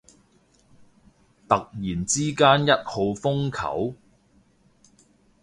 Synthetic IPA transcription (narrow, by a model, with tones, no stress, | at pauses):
t̪ɐ˨k̚jiː˨˩nt͡siː˥kaː˥njɐ˥t̚ho˨˧wfʊ˥ŋkʰɐ̰˨˥w